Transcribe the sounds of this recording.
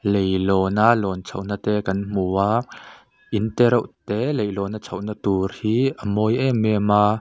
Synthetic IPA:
lejlɔːnalɔːnt͡sʰɐwn̥at̪ɛkɐnm̥uːaː | ʔint̪ɛɾɔwʔt̪ɛlejlɔːnat͡sʰɐwʔnat̪urhiːʔəmɔjʔɛmɛma

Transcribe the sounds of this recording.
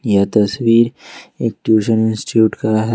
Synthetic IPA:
jat̪ɐswiːɾeːk̚ʈjuːʃənɪ̃nsʈʈijuːʈkaɦ

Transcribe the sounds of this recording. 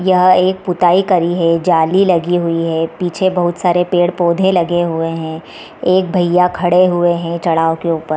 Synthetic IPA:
jɐɦeːk̚pʊt̪aːikɐɾiɦɛd͡ʒaːlilɐɡiɦʊiɦɛpiːt͡ʃʰebɐɦʊt̪saːɾepeːɽpoːd̪ʱẽlɐɡeɦʊeɦɛ̃ | eːk̚bʱɐjakʰɐɽeɦʊeɦɛ̃t͡ʃɐɽaːõkeuːpəɾ

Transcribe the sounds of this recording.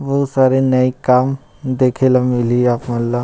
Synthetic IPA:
bɔusaːɾenɐikaːm | d̪eːkʰelamɪlieaːpmɐlːa

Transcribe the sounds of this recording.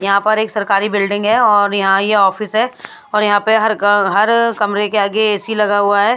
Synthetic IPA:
jɐɦãpɐɾeːksɐɾkaːɾibɪlɖɪ̃ŋɡɦɛɔːɾjɐɦãjeɔːfɪsɦɛː | ɔːɾjɐɦãpeɦɐɾɦɐɾkɐmɾekeaːɡeeːsilɐɡaɦuaɦɛː

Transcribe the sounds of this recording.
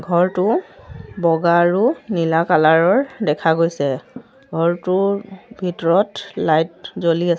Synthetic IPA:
ɡʱɔɹtʊ | bɔɡaɹʊnilakalaɹɔɹdɛkʰaɡojsɛ | ɡʱɔɹtʊbʱitɔɹɔtlajt̚zolia

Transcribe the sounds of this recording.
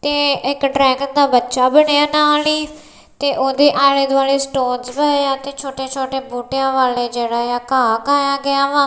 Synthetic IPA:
t̪eːɪkɖɾɛ̃ːkənd̪aːbətːʃaːbəɽeaːnaːliː | t̪eːʔoːd̪eːʔaːleːd̪aːleːsʈoːnzbɛjãːt̪eːt͡ʃʰoːʈeːt͡ʃʰoːʈeːbuːʈejãːʋaːleːd͡ʒeːɽaːjaːkaːkaːjãːɡɪjãːʋãː

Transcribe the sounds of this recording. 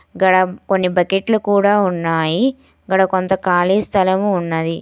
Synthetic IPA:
ɡɐɽɐko̞nːibɐkeʈlukuːɽaːunːaːji | ɡɐɽɐkont̪ɐkaːliːst̪ʰɐlɐmuːnːɐd̪i

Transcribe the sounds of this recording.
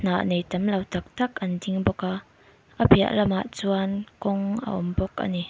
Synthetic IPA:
n̥aːʔnejtɐmlɐwtɐk̚t̪ɐkʔɐndiŋbɔka | ʔəbia̰ʔlɐma̰ʔt͡suɐnkɔŋʔə̰ʔɔmbɔkʔa̰ni

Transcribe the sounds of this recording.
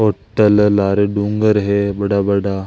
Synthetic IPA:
oʈːəllaɾeɖuŋɡəɾɦebəɽabəɽa

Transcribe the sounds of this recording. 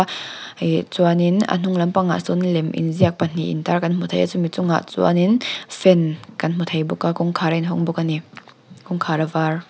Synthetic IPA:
t͡suaninɐ̰n̥ʊŋlɐmpaŋa̰ʔsunlɛmʔḭnziɐk̚pan̥iʔḭntarkɐnm̥ut̪ʰejʔat͡sʊnmit͡sʊŋa̰ʔt͡sua̰ninfɛnkɐnm̥ut̪ʰejbukakɔŋkʰaɾainɦɔŋbɔkani | kʊŋkʰaːɾavar

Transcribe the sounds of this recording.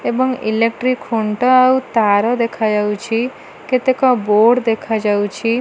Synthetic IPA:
ebəŋilekʈɾikʰoɳʈɔawt̪aɾɔd̪ekʰad͡ʒawt͡ʃʰi | ket̪ekɔ̃boɽd̪ekʰad͡ʒawt͡ʃʰi

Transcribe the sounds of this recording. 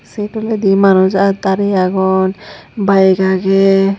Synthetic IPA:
seʈɔlɛd̪imanud͡ʒat̪aɾɛaɡɔnbajɡaɡɛ

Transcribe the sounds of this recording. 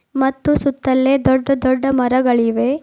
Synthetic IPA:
mɐt̪ːusut̪ːɐlːed̪ɔɖːɐd̪ɔɖːɐmɐɾɐɡɐɭiʋe̞

